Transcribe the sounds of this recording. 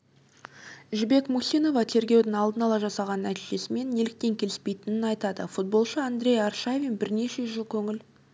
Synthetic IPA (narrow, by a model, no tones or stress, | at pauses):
ʒbe̞kmusʲijno̞vɑt̪ʰe̞ɾɡʲe̞wd̪ɪŋɑlˠd̪ənɑlˠɑʒɑsɑʁɑnːæt̪iʒe̞sɪme̞nːe̞lɪk̚t̪e̞ŋkʲʰe̞lɪspe̞jt̪ɪnɪnɑjt̪ɑd̪əfut̪̚bo̞lˠʃəand̪ɾʲe̞jarʃavʲinbɪɾne̞ʃe̞ʒəlˠkʲʰɵŋɪl